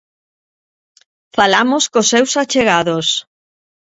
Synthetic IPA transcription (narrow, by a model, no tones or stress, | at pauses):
falamoskosːewsat͡ʃeɣaðos